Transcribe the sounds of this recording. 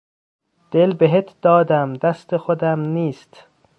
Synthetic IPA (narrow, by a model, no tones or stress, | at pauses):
d̪̥elbeɦet̪ʰd̪̥ɒːd̪æmd̪æst̪exod̪æmniːst̪